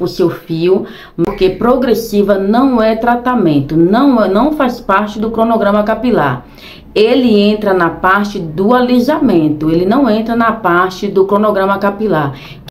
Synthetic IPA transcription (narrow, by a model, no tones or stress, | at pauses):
pʊsewfiʊ | poɾkepɾoɡɾesivɐnɐ̃w̃ɛt̪ɾat̪amẽnt̪ʊnɐ̃w̃nɐ̃w̃faspaɾt͡ʃɪd̪ʊkɾonoɡɾɐ̃mɐkapila̰ɾ | elɪẽnt̪ɾɐnɐpaɾt͡ʃɪd̪ʊalizamẽnt̪ʊelɪnɐ̃w̃ẽnt̪ɾɐnɐpaɾt͡ʃɪd̪ʊkɾonoɡɾɐ̃mɐkapilaɾ